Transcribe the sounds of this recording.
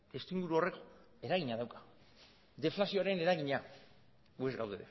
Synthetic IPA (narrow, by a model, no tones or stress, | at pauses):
d̪est̪iŋɡuɾuo̞re̞k | e̞ɾaɣiɲaðawkḁ | d̪e̞flasio̞aɾe̞ne̞ɾaɣiɲa | ue̞zɡawðeðe